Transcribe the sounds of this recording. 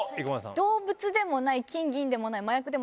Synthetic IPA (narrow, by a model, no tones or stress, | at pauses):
ikmasã̰d̪̥o̞ːbɯ̟t͡sɨd̪e̞mo̞naikʲĩŋɡʲĩnd̪e̞mo̞naimajakɯ̟d̪em